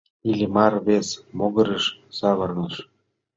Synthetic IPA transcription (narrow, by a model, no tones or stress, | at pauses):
ilʲimɑrβesmoɣɤ̆ɾəʃsɑβɤ̆rnəʃ